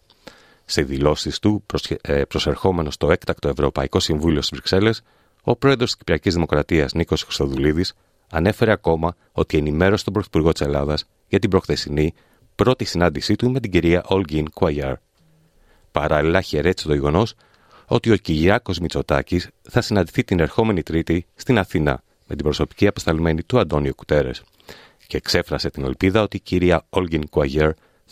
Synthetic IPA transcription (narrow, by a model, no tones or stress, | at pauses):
seðilo̞sist̪u | pɾo̞se̞ɾxo̞me̞no̞st̪o̞e̞kt̪ɐkt̪o̞e̞vɾo̞pɐiko̞siɱvulio̞st̪izvɾikse̞le̞s | o̞pɾo̞e̞ðɾost̪i̥scipɾiɐcizðimo̞kɾɐt̪iɐzniko̞sxɾi̥st̪o̞ðuliðis | ɐne̞fe̞ɾe̞ɐko̞mɐ | o̞t̪ie̞nime̞ɾosi̥t̪obɾoθipuɾɣo̞t̪i̥se̞lɐðɐs | ʝɐt̪ibɾo̞xθe̞sini | pɾo̞t̪isinɐnd̪isit̪ume̞t̪iɟiɾiɐʔo̞lɡinkwajɐɾ | pɐɾɐlilɐçe̞ɾe̞t̪i̥set̪o̞ʝe̞ɣo̞no̞s | o̞̰t̪io̞ciʝiɐko̞zmit͡so̞t̪ɐ̰cisθɐsinɐnd̪iθit̪ine̞ɾxo̞me̞nit̪ɾit̪ist̪inɐθinɐ̰ | me̞t̪ibɾo̞so̞pi̥ciɐpɐst̪ɐlme̞nit̪uɐnd̪o̞niuku̥t̪e̞ɾe̞̰s | ceːkse̞fɾɐse̞t̪ine̞̰lpiðɐo̞t̪iciɾiɐolʝiŋkuɐʝeɾ